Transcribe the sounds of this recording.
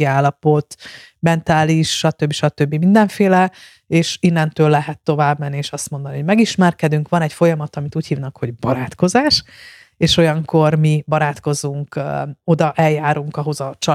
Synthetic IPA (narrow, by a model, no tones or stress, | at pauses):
iaːlːɒpo̞t̪ | mɛnt̪aːliʃʃɒt̪øbːiʃɒt̪øbːimind̪ɛɱfeːlɛ | eːʃinːɛnt̪øːlːɛɦɛt̪ːo̞vaːbmɛnːieːʃɒst̪mo̞nd̪ɒniɦo̞ɟmɛɡiʃmɛrkɛd̪yŋkʋɒnɛcfo̞jɒmɒt̪ɒmit̪uːchiːvnɒkho̞ɟbɒɾaːt̪ko̞zaːʃ | eːʃo̞jɒŋko̞rmibɒɾaːt̪ko̞zuŋko̞d̪ɒʔɛljaːɾuŋkɒɦo̞zɒt͡ʃɒ